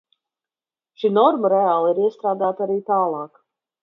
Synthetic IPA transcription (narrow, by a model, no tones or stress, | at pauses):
ʃinɔɾməɾɛaːlˠiɾiɛst̪ɾaːd̪aːt̪aɾiːt̪aːlˠɑːk